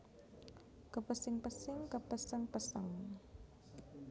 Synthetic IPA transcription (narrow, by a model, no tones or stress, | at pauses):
kəpəsɪŋpəsɪŋkəpəsəŋpəsə̰ŋ